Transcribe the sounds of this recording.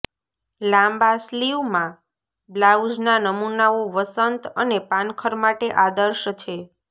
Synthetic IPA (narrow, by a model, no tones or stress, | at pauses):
lãmbasliʋmã | blaud͡ʒnanəmunaoʋəsənt̪ənepãnkʰəɾmaʈeʔad̪əɾʃt͡ʃʰe